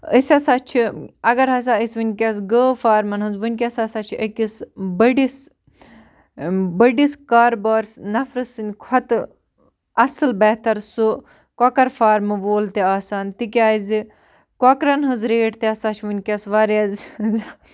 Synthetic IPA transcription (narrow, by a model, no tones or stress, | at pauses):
əsʲɐsaːt͡ʃʰiɐɡɐɾɦɐs̬aːisʋɨnʲkʲɐs̬ɡəːfaːɾmɐnɦunzʋɨnʲkʲɐsɐsat͡ʃʰiɐkʲisbəɖis | bəɖiskaːɾbɐɾsnɐfɾɨsɨnʲkʰɐt̪ɨ | ɐsɨlbɛːt̪ɐɾsu | kɔkɐɾfaːɾmɨʋoːlt̪eaːsaːnt̪ik̬ʲaːizi | kɔkɾɐnɦɨzɾeːʈt̪eɐsat͡ʃʰiʋɨnʲkʲɐsʋaɾɐzz